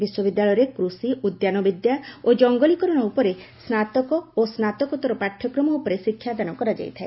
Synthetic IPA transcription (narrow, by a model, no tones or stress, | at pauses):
biswɔbid̪ːaɭɔjɔɾekɾusiʔud̪janɔbid̪jaod͡ʒɔŋɡɔlikɔɾɔnɔupɔɾesnat̪ɔkɔosnat̪ɔkɔt̪ɔɾɔpaʈʰːɔkɾɔmɔupɔɾesikʰjad̪anɔkɔɾad͡ʒa̰jt̪ʰae